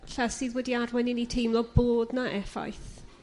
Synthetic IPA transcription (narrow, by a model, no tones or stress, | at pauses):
ɬasiːðwɛdiarwɛnɪnitʰejmlˠɔboːdnaʔɛfa̰jθ